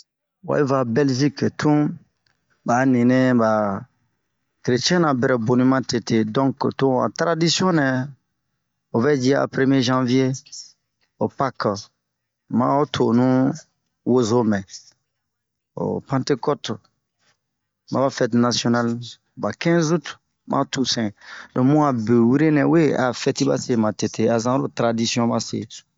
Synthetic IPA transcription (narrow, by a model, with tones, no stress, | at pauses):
wa̰˨i˦va˨bɛ˦lʒi˦ktʰũ˦ | ba˨nĩ˨nɛ̃˦ba˨ | ke˨ɾe˨t͡ʃɛ̃˦nã˨bɛ˨ɾɛ˨bo˨nĩ˦mã˦te˨te˨dɔ̃˦ktũ˦a̰˨tɾa˦di˦sjɔ̃˦nɛ̃˨ | o˨vɛ˦d͡ʒi˦a̰˨pɾe˦mje˦ʒã˦vje˦ | o˨pa˦k | mã̰˦o˦tʰo˨nũ˦ | wo˦zo˦mɛ̃˨ | o̰˨pã˦te˦kɔ˦t | mã̰˨ba˦fɛ˦tna˨sjo˦na˦l | ba˨kɛ̃˦zu˦t | mʔã̰˦tu˨sɛ̃˨dɔ̃˨mũ˦a˨be˨wi˦ɾe˦nɛ̃˨we˦a˨fɛ˦ti˦ba̰˦se˦mã˨te˨te˨a˨sã˦ɾo˦tɾa˨di˦sjɔ̃˦ba˦sḛ˨